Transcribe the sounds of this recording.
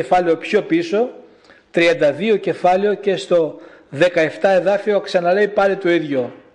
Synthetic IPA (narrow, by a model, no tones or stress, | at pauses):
efɐleo̞pço̞piso̞ | t̪ɾiɐnd̪ɐðioce̞fɐleo̞ce̞st̪o̞ | ðe̞kɐe̞ft̪ɐe̞ðɐfio̞ksɐnɐle̞jpɐlit̪o̞iðʝo